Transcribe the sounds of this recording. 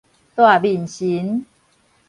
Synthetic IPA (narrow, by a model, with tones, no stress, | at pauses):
t̪wa˥˨˩bi˨˩nɕi˨˦n